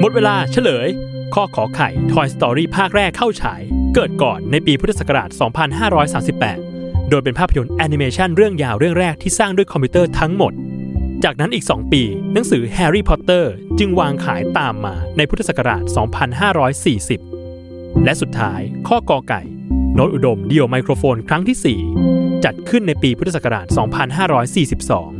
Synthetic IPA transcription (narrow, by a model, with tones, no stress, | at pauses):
mo˨˩t̪̚weː˧laː˧t͡ɕʰa˥˩lɤː˩˦jkʰɔː˥˩kʰɔː˩˦kʰa˨˩jt̪ʰɔː˧jst̪ɔː˧ɾiː˥˩pʰaː˥˩k̚ɾɛː˥˩kʰːa˥˩wt͡ɕʰa̰ː˩˦jkɤː˨˩t̪̚kɔ̰ː˨˩nːa˧jpiː˧pʰu˦˥t̪ʰːa˧sa˨˩ka˧ɾaː˨˩t̪̚sɔː˩˦ŋpʰa˧nɦaː˥˩ɾɔː˦˥jsaː˩˦msi˨˩pːɛ̰ː˨˩t̪̚ | doː˧jp̬e˧npʰaː˥˩pʰːajo˧nʔɛː˧ni˧meː˧t͡ɕʰa˥˩nɾɯ˥˩əŋjaː˧wɾɯ˥˩əŋɾɛː˥˩k̚t̪ʰiː˥˩saː˥˩ŋdu˥˩əjkʰɔ˧mpʰiː˦˥t̪ɤː˥˩t̪ʰa˦˥ŋmo˨˩t̪̚t͡ɕaː˨˩k̚na˦˥nʔiː˨˩ksɔ̰ː˩˦ŋpiː˧na˩˦ŋsɯː˩˦hɛː˧ɾiː˥˩pʰɔ˦˥t̪ːɤː˥˩t͡ɕɯ˧ŋwaː˧ŋkʰa̰ː˩˦jt̪aː˨˩mːaː˧na˧jpʰu˦˥t̪ʰːa˧sa˨˩kːa˧ɾa̰ː˨˩t̪̚sɔː˩˦ŋpʰa˧nɦaː˥˩ɾɔː˦˥jsiː˨˩si˨˩p̚ | lɛ˦˥ʔsu˨˩t̪ʰːaː˦˥jkʰɔː˥˩kɔː˧ka̰˨˩j | no˦˥t̪̚ʔu˨˩do˧mdi˧o˧ma˧jkʰɾoː˧foː˧nkʰɾa˦˥ŋt̪ʰiː˥˩siː˨˩t͡ɕa˨˩t̪̚kʰɯ˥˩nːa˧jpiː˧p̪ʰːa˨ska˧ɾa̰ː˨˩t̪̚sɔː˩˦ŋpʰa˧nɦaː˥˩ɾɔː˦˥jsiː˨˩si˨˩p̚sɔ̰ː˩˦ŋ